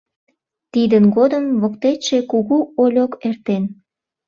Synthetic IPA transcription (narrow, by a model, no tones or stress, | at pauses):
t̪id̪ənɡod̪əmβokt̪eʃekuɣuolʲokert̪en